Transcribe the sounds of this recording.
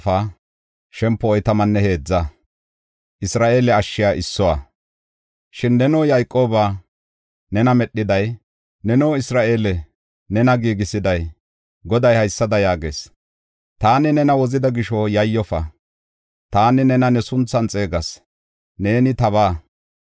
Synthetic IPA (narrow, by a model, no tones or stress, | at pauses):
fɐ | ʃɛmpːɔɔjt̪ɐmɐnːɛhe̞ːd͡zːɐ | ʔɪsɾaːʔe̞ːlɛɐʃːɪjaːʔɪsːɔwaː | ʃɪnːɛnoːjɐjkʼːo̞ːba | nɛnɐmɛɗːɪd̪ɐj | nɛnoːɪsɾaːʔe̞ːlɛ | nɛnɐɡiːɡɪsɪd̪ɐj | ɡɔd̪ɐjhɐjsːɐd̪ɐjaːɡe̞̰ːs | t̪aːnɪnɛnɐwɔzɪd̪ɐɡɪʃɔjɐjːɔfɐ | t̪aːnɪnɛnɐnɛsʊnt͡sːɐnt͡sʼe̞ːɡɐs | ne̞ːnɪt̪ɐβaː